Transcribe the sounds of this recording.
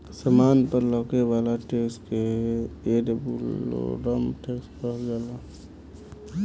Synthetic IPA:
səmaːnpəɾlɔːkeʋaːlaʈeːkskeeɖəbul̰ɾəmʈeːkspəɡaːla

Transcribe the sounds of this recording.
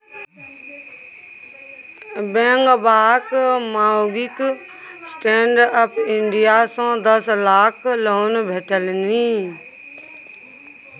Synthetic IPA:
bẽːŋɡbaːkmaːoɡɪk | sʈẽːɳɖəpʰɪɳɖijasõːd̪əslaːkʰloːnbʱeʈəlniː

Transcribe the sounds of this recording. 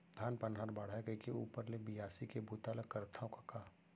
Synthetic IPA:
d̪ʱaːnpənɦaːɾbaːɽ̤ajkəkeuːpəɾlebɪjaːsikebʱuːt̪aləkəɾt̪ʰaõkakaː

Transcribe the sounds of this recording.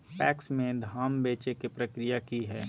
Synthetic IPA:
pɛːksmẽd̪ʱaːmbeːt͡ʃekepɾəkɾɪjakiɦɛː

